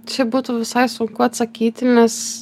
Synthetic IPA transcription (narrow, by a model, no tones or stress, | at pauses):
t͡ʃʲɪbuːt̪uʋʲɪsɐɪsʊŋkʊɐt̪sɐkʲiːt̪ʲɪnʲɛs